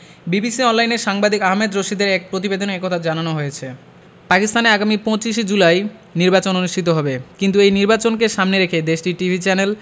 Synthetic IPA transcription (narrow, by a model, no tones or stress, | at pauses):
bibisiɔnlajneɾʃaŋbad̪ʱikaɦmed̪ɾoʃid̪eɾɛk̚pɾot̪̬ibed̪ʱonekɔt̪ʰad͡ʑananoɦojet͡ɕʰe | pakist̪ʰaneaɡamipɔ̃t͡ɕiʃ̬ed͡ʑulajniɾbat͡ɕononuʃʈʰit̪̬oɦɔbekint̪uejniɾbat͡ɕonkeʃamneɾekʰed̪eʃʈiʈibʱit͡ɕɛnel